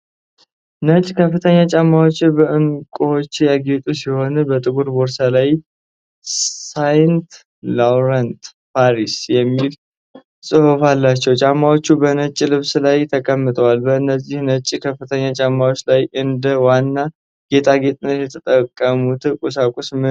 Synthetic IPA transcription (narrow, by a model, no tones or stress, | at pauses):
nət͡ʃʼkʰəfːɨt̪ʰəɲːat͡ʃʼamːawot͡ʃːbəʔɨŋkʼot͡ʃːjaɡet̪ʼusiho̞nbət̪ʼɨɡuɾboɾsalaj | sajnt̪ | lawɾənt̪ | pʰaɾisjɛmːil | sʼɨhufalːat͡ʃːɛwt͡ʃʼamːawot͡ʃːubənət͡ʃʼːlɨβslajt̪ʰəkʼəmːɨt̪ʰʼəwalbəɨnːəzːɪhnət͡ʃʼːkʰəfɨt̪ʰəɲːat͡ʃʼamːawot͡ʃːlajɨnd̪əwanːa | ɡ̥e̞t̪ʰaɡe̞t̪ʼɨnːət̪jɛt̪ʰət̪ʼəkʼːəmut̪kʼus̬akʼusmɨ